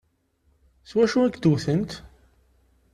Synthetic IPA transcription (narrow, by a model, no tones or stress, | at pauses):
swæʃuæɡd̪uθənt̪